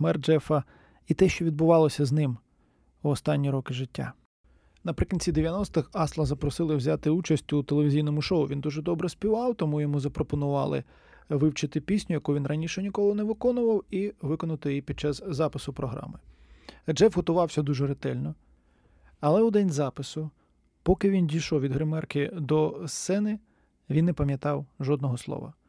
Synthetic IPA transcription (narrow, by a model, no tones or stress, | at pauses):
mɛrd͡ʒɛfɐ | it̪ɛʃt͡ʃɔʋʲid̪̚bʊʋɑlˠɔsʲɐznɪm | ʊɔst̪ɑnʲːiɾɔkɪʒɪtʲːa̰ | nɐpɾɪkʲinʲt͡sʲid̪eʋʲjɐnɔst̪ɪxɑslˠɐzɐpɾɔsɪlˠɪwzʲat̪ɪut͡ʃɐsʲtʲʊt̪elˠeʋʲizʲijnɔmʊʃɔʊʋʲind̪uʒɛd̪ɔbɾɛsʲpʲiʋɑwt̪ɔmujɔmuzɐpɾɔpɔnʊʋɑ̰lˠɪ̰ | ʋɪwt͡ʃɪt̪ɪpʲisʲnʲʊjɐkuʋʲinrɐnʲiʃɛnʲikɔlˠɔnɛʋɪkɔnʊʋɐwiʋɪkɔnʊt̪ɔjjipʲid̪̚t͡ʃɑzzɑpɪsʊpɾɔɦɾɑ̰mɪ | d͡ʒɛwɦɔt̪ʊʋɑwsʲɐd̪uʒɛɾɪt̪ɛlʲnɔ | ɐlˠɛʊd̪ɛnʲzɑpɪsʊ | pɔkɪʋʲindʲijʃɔwʋʲid̪ɦɾemɛrkɪd̪ɔst̪sɛnɪ | ʋʲinːɛpɐmʲjɐt̪ɑwʒɔd̪̚nɔɦɔslˠɔ̰ʋɐ̰